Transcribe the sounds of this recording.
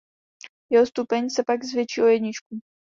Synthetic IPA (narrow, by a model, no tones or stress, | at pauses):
jɛɦost̪upɛɲsɛpaɡzvjɛt͡ʃiːʔo̞jɛdɲɪt͡ʃku